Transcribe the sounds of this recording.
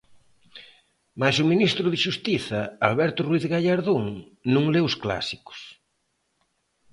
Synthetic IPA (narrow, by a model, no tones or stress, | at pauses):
masʊminist̪ɾʊðɪʃust̪iθɐalβɛɾt̪ʊrwiθɣaʎaɾðuŋ | nũŋleʊskla̰sikʊ̥s